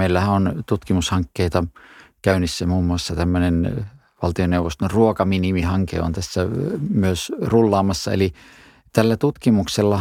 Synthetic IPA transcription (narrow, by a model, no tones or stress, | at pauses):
eilːæhæʔont̪ut̪kimushɑŋkːeit̪ɑkæˑynisːæmuːmːuɑsːɑt̪æmːønen | ʋɑlt̪ioneuʋost̪onruokɑminimihɑŋkḛo̰nt̪æsːæmyøsrulːɑːmɑsːɑḛli | t̪ælːæt̪ut̪kimukselːɑ